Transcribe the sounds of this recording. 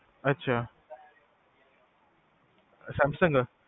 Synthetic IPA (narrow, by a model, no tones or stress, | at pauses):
ɐtːɕʰa | samsəŋɡə